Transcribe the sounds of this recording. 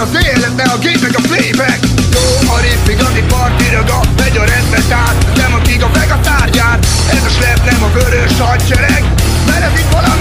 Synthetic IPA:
ɒseɛlɛt̪nɛɒɡeːnɛɡɒflejbɛkjoːɒɾipːiɡɒnipɒrt̪iɾɒɡɒvɛɟɒɾɛnd̪ɛt̪aːt̪nɛmɒɡiɡɒmɛɡɒt̪aːrɟaːt̪ | ɛzɛʃlɛbnɛmɒbøɾøʃɒjt͡ʃɛɾɛk | mɛɾɛzit̪ʋɒlɒm

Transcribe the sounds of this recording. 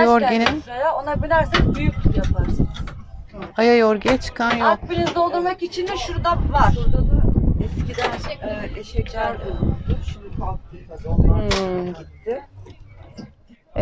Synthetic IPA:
joɾɟenimejaonabilʲæɾsækbyjyc̪̚ʰʲjapʰaɾsɯnɯzajajoɾɟeɛt͡ʃʰɯ̥kʰanjoapːinizd̪o̞lˠd̪uɾmakit͡ʃʰind̪ɛʃuɾd̪apvaɾbuɾd̪ad̪ɯɛscid̪ænɛʃɛcʰaɾd̪ɯʃinikak̪ɯɡ̪azonaɟit̪ʰːɪ

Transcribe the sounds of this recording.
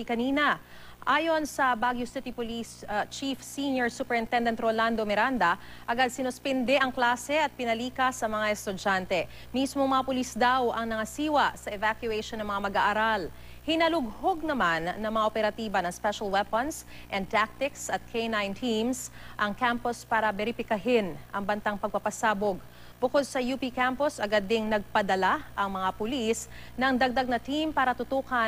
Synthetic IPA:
kɐniːnɐ | ʔaːjo̞nsɐbaɡjʊsɪt̪ipʊlist͡ʃifsinjoɹsupɛɹɪnt̪ɛnd̪ɛnt̪ɾoland̪omɛɾand̪ɐʔɐɡad̪̚sɪnʊspɛnd̪ɛʔɐŋklaːsɛɐt̪̚pɪnɐliːkɐsːɐmɐŋaɛst̪ʊd͡ʒant̪ɛ | mismoŋmɐŋapʊlisd̪awʔɐŋnɐŋɐsiːwɐsɐʔɛvakjʊʔɛʃonːɐŋmɐŋamɐɡaʔaɾal | hɪnɐlʊɡ̚hoɡ̚nɐmanːɐŋmɐŋaʔopɛɾɐt̪iːbɐnɐŋspɛʃɐlwɛpɐns | ʔɛn̚t̪ak̚t̪ɪksɐt̪̚kʰejnajnt̪ʰimsʔɐŋkampospaːɾɐbɛɾɪfɪkɐɦɪnʔɐŋbɐnt̪aŋpɐɡ̚pɐpɐsaːboɡ | bʊkod̪̚sɐjupikamposɐɡad̪ːɪŋnɐɡ̚pɐd̪ɐlaʔɐŋmɐŋapʊlisnɐŋd̪ɐɡ̚d̪aɡ̚nɐt̪impaːɾɐt̪ʊt̪uːkɐ

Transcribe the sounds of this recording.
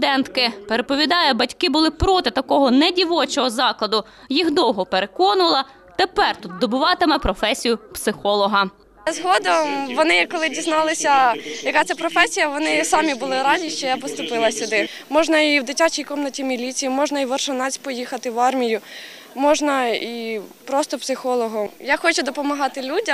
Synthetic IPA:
d̪ɛnt̪kɪpeɾepɔʋʲid̪ɑjɐbɐtʲkɪbʊlˠɪpɾɔt̪ɪt̪ɐkɔɦɔnɛdʲiʋɔt͡ʃɔɦɔzɑklˠɐd̪ʊ | jixd̪ɔwɦɔpeɾekɔnʊʋɐlˠɐ | t̪epɛrt̪ut̪̚d̪ɔbʊʋɑt̪ɪmɛpɾɔfɛsʲijʊpsɪxɔlˠɔɦɐ | zɦɔd̪ɔʋɔnɪkɔlˠɪdʲiznɑlˠɪsʲɐjɐkat̪sɛpɾɔfɛsʲijɐʋɔnɪsɑmʲibʊlˠɪɾɑzʲiʃt͡ʃɔjapɔst̪ʊpɪlˠɐsʲʊd̪ɪmɔʒnɐiwd̪ɪtʲat͡ʃijkɔmnɔtʲimʲilʲit͡sʲijimɔʒnɐiʋɐrʃɐnɑt͡sʲpɔjixɐt̪ɪʋɑrmʲijʊ | mɔʒnɐipɾɔst̪ɔpsɪxɔlˠɔɦɔjaxɔt͡ʃʊd̪ɔpɔmɐɦɑt̪ɪlʲudʲɐ

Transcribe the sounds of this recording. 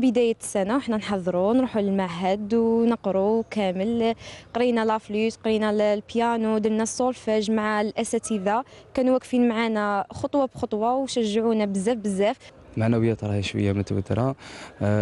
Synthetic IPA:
bəd̪æjæsænawəħnænħɑðˤːɾunɾˤuħuləlmaʕɦæd̪wnəqɾukæməlqɾinælæflusqɾinælpjænud̪əlnæsˤːolfæʒmaʕalʔæsæt̪id̪akænuwækfinmʕanæxot̪ˤwɑbxot̪ˤwɑwʃæʒːəʕunæbəzːæfbəzːæf | lmaʕnæwəjːæt̪ɾˤɑhiʃwə̰jːamʊt̪wə̰t̪ɾˤɑ

